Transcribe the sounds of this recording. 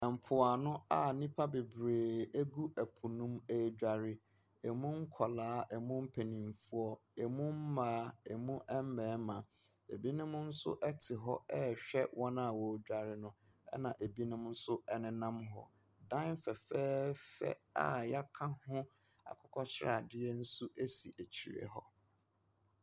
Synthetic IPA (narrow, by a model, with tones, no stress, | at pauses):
m̩˨pʰʊ˨a˨nʊ̃˦a˦˨nĩ˦pʰa˦be˨bɾeː˨æ˦ɡu˦æ˨pʰu˨nũ˦me˦d͡ʑᶣa˨ɾɪ˦ | ɛ˨mũ˦ŋ̩˦kʰɔ˨laː˨˦ɛ˨mʊ̃˦m̩˦pʰe˨nĩ˨m˨fu˦ɔ˦ɛ˨mʊ̃˦m̩˦mãː˨˦e˨mũ˦ʔɛ˦m˦mɛ̃ː˨˦mã˨ | e˨bi˦nʊ̃˦m˦n̩˦sʊ̰˦ʔɛ˦tʰɪ˨ɦɔ˦ɛ˦ɕᶣɛ˦wʔɔ̃˦nã˨wɔ˨˦d͡ʑᶣa˦ɾɪ˦nʊ̃˦ | ɛ̰˦nã˨ʔe˨bi˦nʊ̃˦mn̩˦sʊ˦ɛ˦nɪ̃˦nã˦mɦɔ̰˦ | dã˦n˦fɛ˨fɛː˦fɛ̰˦a̰˨ja˦kʰã˦hʊ̃˦ | a̰˨kʰʊ˦kʰɔ˦t͡ɕʰɪ˦ɾa̰˨dɪ˦ɛ˦n̩˦su˦ʔe˦si˨ʔæ˨t͡ɕʰi˨ɾḛ˨ɦɔ̰˦